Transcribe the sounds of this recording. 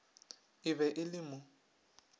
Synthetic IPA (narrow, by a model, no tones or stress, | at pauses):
ɪβɛʔɪlɪmʊ